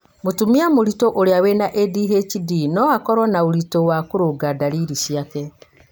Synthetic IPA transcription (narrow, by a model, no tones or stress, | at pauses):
motumiamoɾitoʔoɾeawenaʔediɦet͡ʃidinɔakɔɾwɔnaoɾitowakoɾoɡadaɾiɾisjakɛ